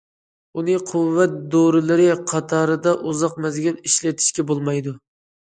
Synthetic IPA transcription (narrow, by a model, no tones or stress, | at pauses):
unɨqʰʊvːɛt̪̚d̪oɾɪlɪɾɪqʰɑt̪ʰɑɾɨd̪ɑʔuzɑqmɛzɡʲɛniʃlɛt̪ʰɪ̥ʃkʲɛbolˠmɑjd̪ʊ